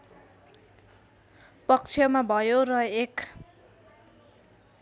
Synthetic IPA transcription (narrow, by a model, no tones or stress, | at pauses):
pʌk̚t͡sʰijʌmabʱʌjorʌek